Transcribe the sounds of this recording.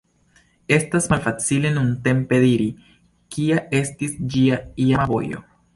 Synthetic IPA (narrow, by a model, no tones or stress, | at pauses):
e̞stasmalfat͡sile̞nunte̞mpe̞diɾi | kiae̞stisd͡ʒiaiamavo̞̰jo̞̰